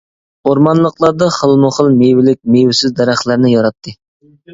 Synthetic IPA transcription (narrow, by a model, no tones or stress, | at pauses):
oɾmɑnlˠəqlˠɑɾd̪ɑχəlˠmʊχəlˠmewɪlɪk̚ʲmewɪsɪzd̪æɾæχlˠæɾnɪjɑɾɑt̪ʰːɨ